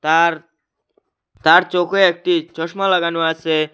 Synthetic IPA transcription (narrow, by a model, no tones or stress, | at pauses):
t̪aɾ | t̪aɾt͡ɕokeek̚ʈit͡ɕɔʃmalaɡanuasʰe